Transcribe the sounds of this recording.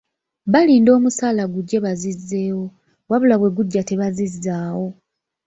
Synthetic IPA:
βaliːndo̞ːmusaːlaɡuɟːe̞βazizːe̞ːwo̞ | waβulaβwe̞ɡuɟːate̞βazizːaːwo̞

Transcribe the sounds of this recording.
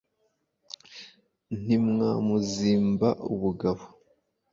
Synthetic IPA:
n̥imŋaːmuziːmbaʔṵβuɡaβo

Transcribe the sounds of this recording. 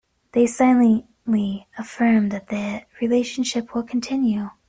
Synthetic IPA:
ðeɪsaɪlˠə̃ | liəfɜ̃˞mðɨt̪̚ðɨɹileɪʃn̩ʃɪpʰwəlˠkʰn̩tʰɪ̃njʉ

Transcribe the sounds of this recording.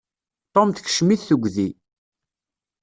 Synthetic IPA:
t̪ˤːomθç̥ʃmiθθəɡʷːði

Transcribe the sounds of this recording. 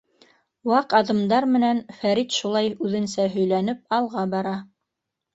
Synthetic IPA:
wɑqɑðɤ̆md̪ɑɾmɘ̆nænfæɾit̪ʃulˠɑjʉðɘ̆nsæɦɵ̆jlæn̪ɘp̚ɑlˠʁɑbɑɾɑ

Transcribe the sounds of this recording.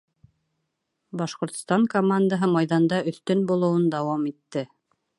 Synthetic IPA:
bɑʃqŏɾt̪st̪ɑŋkomand̪əɦɤmɑjðɑnd̪ɑɵ̆θt̪ɵnbulˠŏwɤnd̪ɑwɑmit̪ːɘ

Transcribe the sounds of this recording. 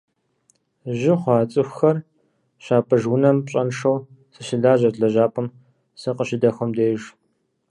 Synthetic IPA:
ʒɪχʷɑːt͡sʼɨxʷxɐr | ʃaːpʰʼɐʒwʊnɐmpɕʼɐnʂɐw | sɨʃɪɮaːʑɐrɮɐʒaːpʼɨm | sɨqəɕɪdɐxʷɐmdeːʒ

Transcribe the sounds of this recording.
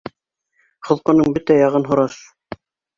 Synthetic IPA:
χŏlˠqŏnɤɴbɘt̪æjɑʁɤnɦŏɾɑʃ

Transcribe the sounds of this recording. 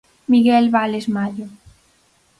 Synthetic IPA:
miɣelβalezmaʎo

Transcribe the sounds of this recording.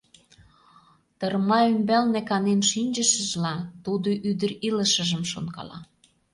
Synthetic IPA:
t̪ərmɑymbælnekɑnenʃinʲd͡ʑəʃə̆ʒlɑt̪ud̪oʔyd̪əriləʃə̆ʒə̆mʃonkɑ̰lɑ̰

